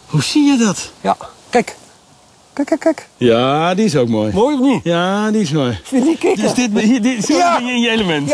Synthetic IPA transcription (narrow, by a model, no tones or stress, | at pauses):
husijɛdɔtjakɛk | kɛkkɛkjadiɪsoːk̚mojmojnijadiɪsmojikdøsdɪt̚hidɪsjəɪnjəeləmɛnt